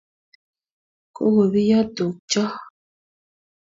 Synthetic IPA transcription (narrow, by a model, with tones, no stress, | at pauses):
ko̰˦wo˨bi˦ja˦to˨k̚t͡ʃɔ˦